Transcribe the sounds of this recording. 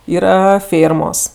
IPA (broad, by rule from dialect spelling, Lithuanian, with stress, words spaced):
ˈiːrɐ ˈfʲeːrmoːs